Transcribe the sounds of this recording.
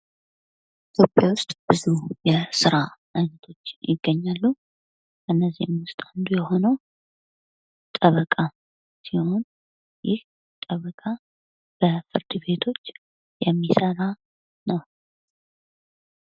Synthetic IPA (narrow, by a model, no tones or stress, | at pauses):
it̪ʰjopʼjawʊst̪ʼb̥ɨzujɛsɨɾaʔaɲət̪ʰo̞t͡ʃːɪjɪɡːəɲːalːu | ɨnːəzːihɪmʊst̪ʼand̪ujɛho̞nəw | t̪ʼəβəkʼa | siho̞n | jɪh | t̪ʼəβəkʼa | b̥əfɨɾd̪ɨβe̞t̪ʰo̞t͡ʃː | jɛmːisəɾa | nəw